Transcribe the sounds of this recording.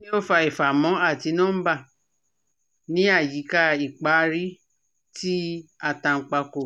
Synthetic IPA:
nĩ˦o˦fa˧i˨fa˨mɔ̃˨˦a˦˨ti˧nã˦ba˦˨ | nĩ˦a˦˨ji˨˦ka˧i˨k͡pa˨˦ɾi˦ | ti˦a˦˨tã˧ŋ̩˧˨k͡pa˧ko˨

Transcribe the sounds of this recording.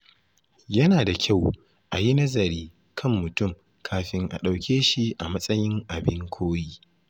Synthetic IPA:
jɐ˦naː˨da˨kʲʰa˦˨w | ʔa˨ji˦nɐ˦zɐ˨ɾiː˦ | kʰɐ˦˨mːʊ˨tʊ˦˨m | kʰaː˨ɸɪ˦ŋʔa̰˨ɗa˨wkʲeː˦ʃi˦ʔa˨mɐ˦sʼɐ˦jɪ˦ŋʔa˨bɪ˦ŋkʷʰoː˦jiː˦

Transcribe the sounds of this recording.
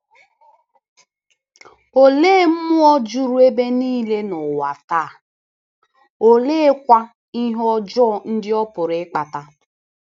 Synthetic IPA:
o˨leː˦m̩˦mʊ˦ɔ˦d͡ʒu˦ɾu˦e˦be˦niː˦le˦nʊ˨wa˨taː˦˨ | o˨leː˦kʷa˦ | i˦ɦɔ˦d͡ʒɔ˦˨n̩˦dɪ˦ɔ˦pʊ˨ɾɪ˦k͡pa˨ta˦

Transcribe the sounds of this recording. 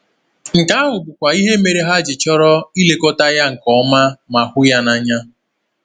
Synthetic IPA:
ŋ̩˨ka˦a˦ɦʊ˨bʊ˨kʷa˨i˦ɦe˦me˨ɾe˦ɦa˦d͡ʒɪ˨t͡ʃɔ˦ɾɔ˦i˦le˦ko˦ta˦ja˦ŋ̩˨kɔ˨˦ma˦ma˨hʊ˦ja˦na˦ɲa˦

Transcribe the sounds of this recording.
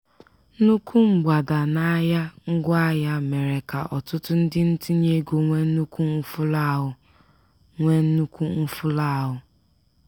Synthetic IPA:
nu˦ku˦ŋ͡m̩˨ɡ͡ba˨da˨na˦ja˦ŋ̩˦ɡʷa˦ja˦me˨ɾe˨ka˨ʔɔ˨tʊ˦tʊ˦n̩˦dɪ˦n̩˦ti˦ɲe˦ɡo˨ŋʷe˦n̩˦nu˦kʷu˦ŋ̩˦fʊ˦la˦˨ɦʊ˨ | ŋʷe˦n̩˦nu˦kʷu˦ŋ̩˦fʊ˦la˦˨ɦʊ˦

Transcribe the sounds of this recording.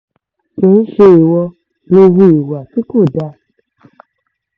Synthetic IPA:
kĩ˨˦ʃe˧i˨wɔ˧ | no˧wu˧i˨wa˨ti˦ko˦˨da˧

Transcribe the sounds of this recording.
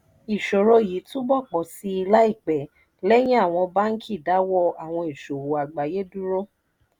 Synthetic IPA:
i˨ʃo˨ɾo˧˨ji˨˦tũ˦bɔ˦˨k͡pɔ˨si˦i˧la˦i˦˨k͡pɛ˨ | lɛ˦j̃ĩ˦a˦˨w̃ɔ̃˧ba˦n̩˦kʰi˦˨da˨˦wɔ˦a˨w̃ɔ̃˧i˨ʃo˨wo˨a˨ɡ͡ba˨je˦du˦ɾo˦

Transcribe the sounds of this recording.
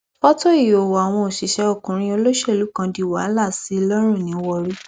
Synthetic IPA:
fɔ˦to˦i˦˨jo˨wɔ˨a˨w̃ɔ̃˧o˨ʃi˨ʃɛ˧o˦˨kũ˨ɾ̃ĩ˧o˧lo˦ʃɛ˦˨lu˨˦kã˧di˧˨wa˨˦la˦˨si˨˦˧lɔ˦ɾ̃ũ˦˨nĩ˨˦wɔ˧ɾi˦

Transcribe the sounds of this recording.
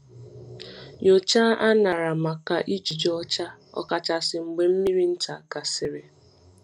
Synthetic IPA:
jo˨t͡ʃa˦a˦na˨ɾa˨ma˨ka˨ʔi˦d͡ʒi˨d͡ʒɔ˦t͡ʃa˦ɔ̰˦ka˨t͡ʃa˨sɪ˨ŋ͡m̩˨ɡ͡be˨m̩˦mi˦ɾi˦n̩˦ta˨ka˨sɪ˨ɾe˨

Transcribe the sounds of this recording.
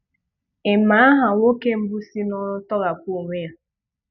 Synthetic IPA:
ɪ˨ma˨˦a˦ɦa˨wo˦ke˦m̩˦bʊ˦si˦nʊ˦ɾʊ˦tɔ˦ɣa˨kʷu˦˨ŋʷe˦ja˨

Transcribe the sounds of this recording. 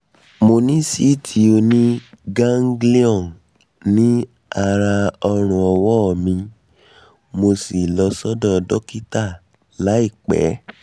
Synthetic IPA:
mo˧nĩ˦si˦tʰi˧˦o˧nĩ˦ɡã˦ŋ˦ɡli˦ɔ̃˦˨n | nĩ˦ | a˧ɾa˧ɔ˧ɾ̃ũ˨ɔ˧wɔ˦˨mĩ˧ | mo˧si˨lɔ˧sɔ˦dɔ̃˦˧dɔ˦ki˦ta˦˨ | la˨˦i˦˨k͡pɛ̰˨˦

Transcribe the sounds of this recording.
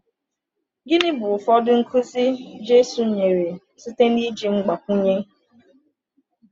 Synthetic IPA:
ɡɪ˦nɪ˦bʊ˨fɔ˦dʊ˦ŋ̩˦kʰu˦zi˦d͡ʒe˦su˨ɲe˨ɾe˨ | si˦te˦ni˦d͡ʒi˨ŋ͡m̩˦ɡ͡ba˨ku˦ɲe˦

